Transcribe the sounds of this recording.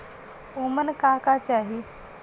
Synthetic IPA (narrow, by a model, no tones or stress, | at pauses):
omənkakat͡ɕaɦi